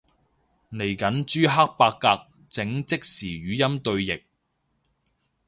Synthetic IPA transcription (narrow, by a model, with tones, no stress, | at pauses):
ne˨˩jkɐ˨˥nt͡ʃyː˥ɦa˥k̚paː˧kːaː˧k̚ | t͡sɪ˨˥ŋt͡sɪ˥k̚siː˨˩ɥyː˨˥jɐ˥mt̪ɵ˧ɥjɪ˨k̚